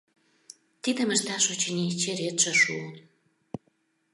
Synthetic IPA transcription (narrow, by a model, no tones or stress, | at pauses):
t̪id̪ə̆mə̆ʃt̪ɑʃut͡ɕinʲit͡ɕeɾet̪ʒə̆ʃuən